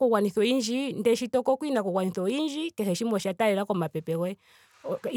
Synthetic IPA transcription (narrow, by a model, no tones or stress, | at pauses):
kuɣwaniθɔind͡ʒindɛʃitɔkɔkwinakuɣwaniθɔind͡ʒikɛhɛʃimɔʃataɛɾakɔmapɛpɛwɛ